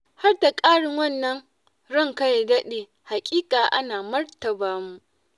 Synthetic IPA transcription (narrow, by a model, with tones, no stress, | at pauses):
ha˦rda˨kʼaː˦ɽɪ˨ŋwɐ˦˨nːɐ˦ŋ | ɽɔ˦ŋkɐ˦jɡɐ˦ɗeː˨ | ha˨kʲʼiː˦kʼaː˨ʔa̰˦naː˨mɐ˦rtɐ˨baː˦mu˦